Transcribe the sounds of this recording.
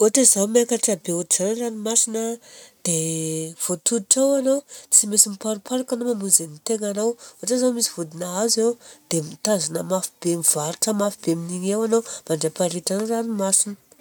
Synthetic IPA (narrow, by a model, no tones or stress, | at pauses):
oʈ͡ʂazawmakaʈ͡ʂabeuz̥anranimasinəd̪̥ev̥ot̪ud̪iʈ͡ʂawanawt͡simesimipaɾupaɾakanomamuzenmit̪eŋanawoʈ͡ʂazawmisiv̥ud̪inaazewd̪̥emit̪azanəmafib̥emiv̥aɾuʈ͡ʂəmafibeminiɲewanawmaɳɖ͡ʐapaɾiʈ͡ʂanranimasinə̥